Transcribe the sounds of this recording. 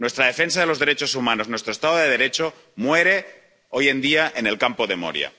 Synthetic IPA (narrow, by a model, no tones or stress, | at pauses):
nwe̞st̪ɾaðe̞fe̞ns̬að̞elo̞zðe̞ɾet͡ʃo̞sumãno̞snwest̪ɾoest̪aðoðeðe̞ɾe̞t͡ʃo | mwe̞ɾe̞ | oje̞nd̪iaʔene̞lkampoðe̞mo̰ɾj̰a̰